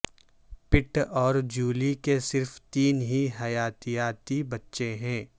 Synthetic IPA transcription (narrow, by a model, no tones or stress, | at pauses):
pɪʈɔːɾd͡ʒuːlikesɪɾft̪iːnɦiɦɐjaːt̪ijaːt̪ibɐtːʃeɦɛ̃ː